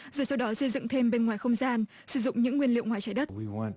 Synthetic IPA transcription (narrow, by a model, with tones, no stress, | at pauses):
zoː˨˩jsa˧wɗɔ˨˦sə˧jzɨ̰˧˨ŋt̪ʰe˧mɓe˧nŋwaː˨˩jxə˧wŋ͡mzaː˧n | sɨ˧˩zʊ̰˧˨ŋ͡mɲɨ̰˧˥ŋːwi˧ənlḭ˧˨əwŋwaː˨˩jt͡ɕaː˧˩jɗə˦˥t̚wiwɔ̃